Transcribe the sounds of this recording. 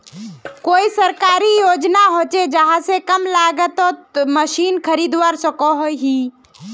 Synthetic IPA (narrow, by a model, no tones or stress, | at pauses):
koːisəɾkaɾijod͡ʒnaɦot͡ʃed͡ʒəɦãsekəmlaɡət̪ɔməʃiːnkʰəɾid̪waɾsəkɔɦoɦi